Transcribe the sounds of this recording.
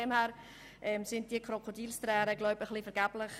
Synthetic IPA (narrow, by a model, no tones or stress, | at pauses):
ɛmhæːɾ | ʔɛːmsɪnd̥iəkʰrokʰodiːlstɾɛːɾəɡlɔʊbəχlifəɾɡæːb̥lɪχ